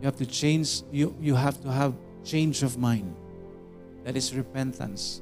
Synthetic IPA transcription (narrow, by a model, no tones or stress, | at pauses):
juhævtut͡ʃẽɪ̃nd͡ʒjujuɦævtuɦæv | t͡ʃẽɪ̃nd͡ʒɔvmãɪ̃nd | ðæɾɪsɹɪpɛ̃ntə̰̃ns